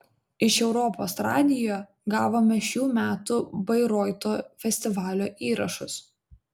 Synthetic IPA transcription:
ɪʃɛʊɾɔpoːsɾɑːd̪ʲɪjoː | ɡɑːʋoːmʲɛʃʲuːmʲæːt̪ʊbɐɪɾɔːɪt̪oːfʲɛsʲt̪ʲɪʋɑːlʲoːʔiːɾɐʃʊs

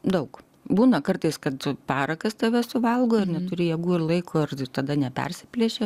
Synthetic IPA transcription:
d̪ɐʊk | buːnɐkɐrt̪ɐɪskɐt̪pɑːɾɐkɐst̪ɐʋʲɛsʊʋɐlˠɡoːɪrnʲɛt̪ʊɾʲɪjɛɡuːɪrlˠɐɪkoːɪrt̪ɐd̪ɐnʲɛpʲɛ̰rʲsʲɪpʲlʲiɛʃʲe

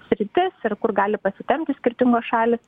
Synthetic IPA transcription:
sʲɾʲɪt̪ʲɪsɪrkʊrɡɑːlʲɪpɐsʲɪt̪ʲɛmʲt̪ʲɪsʲkʲɪrʲt̪ʲɪŋɡoːsʃɑːlʲɪs

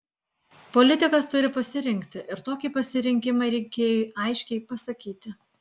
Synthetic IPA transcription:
pɔlʲɪt̪ʲɪkɐst̪ʊɾʲɪpɐsʲɪɾʲɪŋʲkʲt̪ʲɪʔɪɾt̪oːkʲiːˑpɐsʲɪɾʲɪŋʲkʲɪmɐɪɾʲɛɪkʲeːjoːʔɐɪʃʲkʲɛɪpɐsɐkʲiːt̪ʲɪ

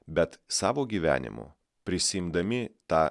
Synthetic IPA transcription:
bʲɛt̪sɑːʋoːɡʲiːʋʲæ̰ːnʲɪ̰mʊ̰ | pʲɾʲɪsʲɪɪmd̪ɐmʲɪt̪ɑː

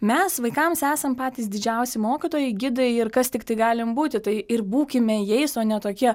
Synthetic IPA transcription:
mʲɛsʋɐɪkɐmsæːsɐmpɑːt̪ʲiːsd̪ʲɪd͡ʒʲɛʊsʲɪmoːkʲit̪oːjɛɪɡʲɪd̪ɐɪɪɾkɐst̪ʲɪkt̪ɐɪɡɑːlʲɪmbuːt̪ʲɪt̪ɐɪɪɾbuːkʲɪmʲɛjɛɪsoːnʲɛt̪oːkʲiɛ

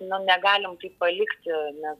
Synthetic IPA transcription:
nʊnʲɛɡɑːlʲɪmk̪ɐɪppɐlʲɪkt̪ʲɪnʲɛs

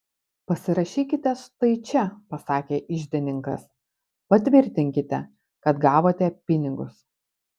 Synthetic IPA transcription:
pɐsʲɪɾɐʃʲiːkʲɪt̪ʲɛʃt̪ɐɪt͡ʃʲɛpɐsɑːkʲeːʔɪʒʲd̪ʲɛnʲɪŋkɐ̰s | pɐt̪ʲʋʲɪɾʲt̪ʲɪŋʲkʲɪt̪ʲɛ | kɐt̪ɡɑːʋoːt̪ʲɛpʲɪnʲɪɡʊ̰s

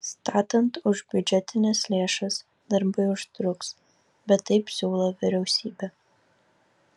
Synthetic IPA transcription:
st̪ɑːt̪ɐnt̪ʊʒbʲʊd͡ʒʲɛt̪ʲɪnʲɛslʲeːʃɐs | d̪ɐɾbɐɪʊʃt̪ɾʊks | bʲɛt̪ːɐɪpsʲuːlˠoʋʲɪɾʲɛʊsʲiːbʲɛ

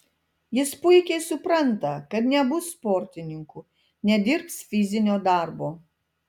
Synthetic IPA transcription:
jɪspʊɪkʲɛɪsʊpɾɐnt̪ɐkɐt̪nʲɛbʊsːpɔːɾʲt̪ʲɪnʲɪŋku | nʲɛd̪ʲɪɾpsfʲɪzʲɪnʲoːd̪ɑˑɾboː

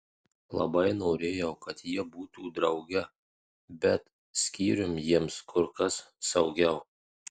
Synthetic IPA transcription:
lˠɐ̰bɐɪnoːɾʲeːjɛʊkɐt̪jiɛbuːt̪uːd̪ɾɐʊɡʲɛ | bʲɛt̪ | sʲkʲiːɾʲʊmjiɛmskʰʊɾkɐssɐʊɡʲɛʊ

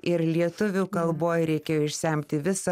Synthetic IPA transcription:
ɪɾlʲiɛt̪ʊʋʲuːkɐlˠboːjɾʲɛɪkʲeːjoːɪʃʲsʲɛˑmʲt̪ʲɪʋʲɪsɐ

